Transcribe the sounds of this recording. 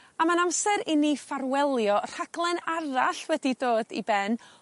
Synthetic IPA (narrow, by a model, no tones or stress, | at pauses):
amanamsɛɾɪnifaɾwɛlˠjɔr̥aɡ̥lˠɛnaɾaɬwɛdidoːdḭbɛn